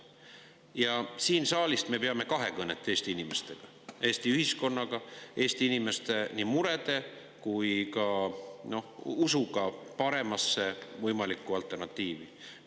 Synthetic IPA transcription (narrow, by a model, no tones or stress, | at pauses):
jɑsiːnsɑːlist̪me̞peɑme̞kɑɦe̞kɤnet̪ːˑe̞ːst̪iinime̞st̪e̞ɡ̥ɑ | e̞ːst̪iyhisko̞nːɑɡ̥ɑʔe̞ːst̪iinime̞st̪e̞nimuɾe̞d̪̥e̞ | kujkɑno̞husuɡ̥ɑpɑɾe̞mɑsːe̞vɤjmɑlikˑːuɑlt̪ˑːe̞rnɑt̪ːˑiːvi